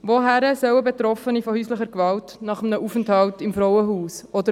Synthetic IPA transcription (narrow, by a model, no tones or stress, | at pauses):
ʋoɦæɾəsœwəbet̪ɾɔfənifɔhyːsləχəɾkvɑltnɑχəm̩nəʔufənthɑltɪmfɾɔwəɦuːsɔd̪ə